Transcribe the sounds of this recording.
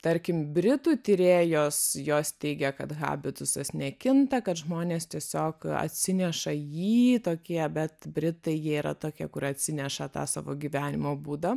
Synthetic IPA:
t̪ɐɾʲkʲɪmbʲɾʲɪt̪uːt̪ʲɪɾʲeːjoːsjoːst̪ʲɛɪɡʲɛkɐt̪ɣɑ̰ːbʲɪt̪ʊsɐsʲnʲɛkʲɪnt̪ɐkɐt̪ʒmoːnʲeːst̪ʲiɛsʲoːkɐ̰t̪ʲsʲɪnʲɛʃɐjiːt̪oːkʲiɛbʲɛt̪bʲɾʲɪt̪ɐɪjiɛiːɾɐ̰t̪oːkʲiɛkʊɾɐt̪ʲsʲɪnʲɛʃɐt̪ɑ̰ːsɑ̰ːʋoːɡʲiʋʲæːnʲɪmoːbuːd̪ɐ

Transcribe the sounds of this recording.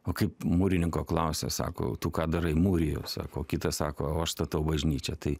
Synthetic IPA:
oːkɐɪpmuːɾʲɪnʲɪŋkoːklˠɑʊsʲɛ̰sɑ̰ːko̰ːt̪uːkɑːd̪ɐɾɐɪmuːɾʲɪjɛʊsɑ̰ːkoːkʲɪt̪ɐsɑːkoːoːɐʃst̪ɐt̪ɐʊbɐʒʲnʲiːt͡ʃʲɛt̪ɐɪ

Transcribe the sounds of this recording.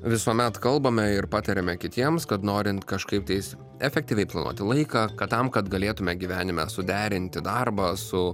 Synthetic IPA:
ʋʲɪsuɔmʲɛt̪kɐlˠbɐmʲɛɪɾpɑːt̪ɐɾʲɛmʲɛkʲɪt̪ʲiɛmskɐt̪noːɾʲɪnt̪kɐʃkɐɪp̚t̪ɐɪs | ɛfʲɛk̚t̪ʲiːʋʲɛɪplˠɐnṵɔt̪ʲɪlˠɐɪkɑːkɐtt̪ɐmkɐt̪ɡɐlʲeːt̪ʊmʲɛɡʲiʋʲæːnʲɪmʲɛ̰sʊd̪ʲæːɾʲɪnʲt̪ʲɪd̪ɑrbɐːsʊ

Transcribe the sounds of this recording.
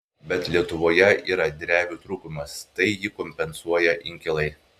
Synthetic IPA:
bʲɛt̪lʲiɛt̪ʊʋoːjɛʔiːɾɐd̪ʲɾʲæːʋʲuːt̪ɾuːkʊmɐst̪ɐɪjɪkɔmʲpʲɛnsuɔjɛʔɪŋʲkʲɪlˠɐɪ

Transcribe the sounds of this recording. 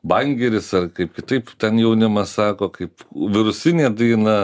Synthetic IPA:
bɐŋʲɡʲɛɾʲɪsɐrkɐɪp̚kʲɪt̪ɐɪpt̪ʲɛnjɛʊnʲɪmɐssɑːkoːkɐɪpʋʲɪɾʊsʲɪnʲeːd̪ɐɪnɐ

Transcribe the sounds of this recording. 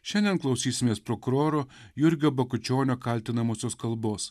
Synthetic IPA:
ʃʲɛnʲd̪ʲɛnklˠɐʊsʲiːsʲɪmʲeːspɾɔkʊɾoːɾoː | jʊɾʲɡʲoːbɐkʊt͡ʃʲoːnʲoːkɐˑlʲt̪ʲɪnɐmoːsʲoːskɐlˠboːs

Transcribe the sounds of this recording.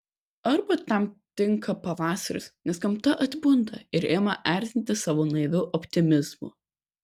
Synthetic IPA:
ɐɾbɐt̪ɐmt̪ʲɪŋkɐpɐʋɑːsɐɾʲʊ̰snʲɛskɐmt̪ɐʔɐt̪ʲbʊnd̪ɐ̰ɪɾeːmɐʔæˑɾʲt̪ʲɪnʲt̪ʲɪsɑːʋoːnɐɪd̪ʊʔɔpʲt̪ʲɪmʲɪzmʊ̰

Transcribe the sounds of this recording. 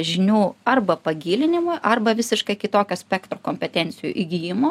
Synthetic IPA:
ʒʲɪnʲuːɐrbɐpɐɡʲiːlʲɪnʲɪmʊjʔɐrbɐʋʲɪsʲɪʃkɐɪkʲɪt̪oːkʲoːsʲpʲɛkt̪ɾoːkoːmʲpʲɛt̪ʲɛnʲt̪sʲɪjṵʔiɡʲijɪmo

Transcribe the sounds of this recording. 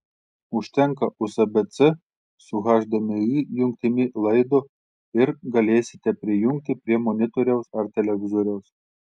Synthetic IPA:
ʊʃʲt̪ʲɛŋkɐʊsɐbʲɛt̪t͡s̪ɘ | sʊɣɑʒʲd̪ʲɐmʲɪijʊŋk̚t̪ʲɪmʲilˠɐɪd̪o | ɪɾɡɐlʲeːsʲɪ̥t̪ʲɛpʲɾʲɪjuŋk̚t̪ʲɪpʲɾʲiɛmonʲɪt̪oɾʲɛʊsɐɾt̪ʲɛlʲɛɡʲɪzoɾʲɛʊs

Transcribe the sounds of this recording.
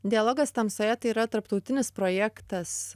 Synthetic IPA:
d̪ʲɪɐlˠoːɡɐst̪ɐmsoːjɛt̪ɐiːɾɐt̪ɐɾpt̪ɐʊt̪ʲɪnʲɪspɾojækt̪ɐs

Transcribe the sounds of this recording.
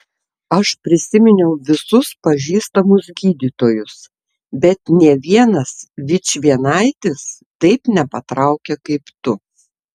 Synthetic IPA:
ɐʃpʲɾʲɪsʲɪmʲɪnʲɛʊʋʲɪsʊspɐʒʲiːst̪ɐmʊsɡʲiːd̪ʲiːt̪oːjʊs | bʲɛt̪nʲɛɛʋʲiɛnɐsʋʲɪt͡ʃʲʋʲiɛnɐɪt̪ʲɪs | t̪ɐɪpnʲɛpɐt̪ɾɑˑʊkʲɛkɐɪpt̪ʊ

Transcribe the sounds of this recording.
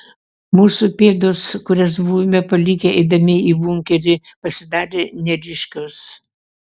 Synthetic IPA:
muːsupʲeːd̪ʊskʊɾʲɛs̬buːmʲɛpɐlʲiːkʲeɐɪd̪ɐmʲɪiːbʊŋʲkʲɛɾʲɪ | pɐsʲɪd̪ɑːɾʲenʲɛɾʲɪʃʲkʲʊs

